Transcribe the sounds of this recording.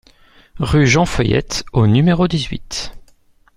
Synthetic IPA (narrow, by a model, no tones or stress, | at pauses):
ʁyʒɑ̃fœjɛ̰t̪onymeʁod̪izɥḭt̪